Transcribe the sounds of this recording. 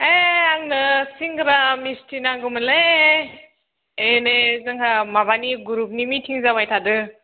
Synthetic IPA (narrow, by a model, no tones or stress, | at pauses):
eaŋnɯsiŋɡɯɾamistʰinaɡɯmɯle | enezɯŋɦamabaniɡuɾup̚nimitʰiŋzabajtʰadɯ